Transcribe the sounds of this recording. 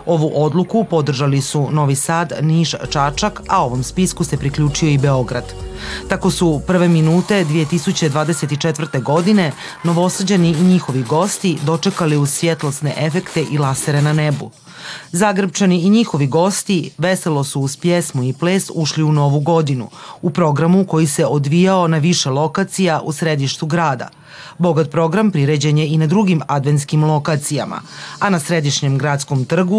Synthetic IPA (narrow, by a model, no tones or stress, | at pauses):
o̞ʋuʔo̞d̪lˠukupo̞d̪r̩ʒalisuno̞ʋisaːd̪niʃt͡ʃat͡ʃakao̞ʋo̞mspiskuse̞pɾikʎʲuːt͡ʃio̞ibe̞o̞ɡɾa̰d̪̥t̪ako̞supr̩ʋe̞minuːt̪e̞d̪ʋije̞t̪isut͡ɕed̪ʋaːd̪ese̞t̪it͡ʃet̪ʋr̩t̪e̞ɡo̞d̪ine̞ | no̞ʋo̞səd͡ʑeniːɲixo̞ʋiɡo̞st̪id̪o̞t͡ʃe̞kaliusʋje̞t̪lost̪neʔe̞fe̞kt̪e̞ʔilˠaseɾenane̞bṵ | zaɡr̩pt͡ʃaniiɲixo̞ʋiɡo̞st̪iʋeselo̞suːz̥pjesmuipleːsuʃliuno̞ʋuɡo̞d̪inṵupɾo̞ɡɾamuko̞jise̞od̪ʋijao̞naʋiʃe̞lˠo̞kat̪sijaʔusɾe̞d̪iʃt̪uɡɾaːd̪a̰ | bo̞ɡat̪̚pɾo̞ɡɾampɾiɾed͡ʑeɲe̞inad̪ɾuɡimad̪ʋe̞nt̪skimlˠo̞kat̪sijama̰anasɾe̞d̪iʃɲe̞mɡɾat̪skomt̪r̩ɡu